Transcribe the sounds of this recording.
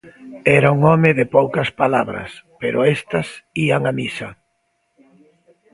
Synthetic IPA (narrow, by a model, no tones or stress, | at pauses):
ɛɾauŋɔmɪðɪpowkɐspalaβɾɐ̰speɾʊ̰ɛst̪ɐsiaŋamisɐ